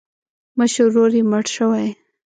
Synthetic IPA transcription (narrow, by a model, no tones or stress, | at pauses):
məʃəɾːoɾiməɽʃəwaj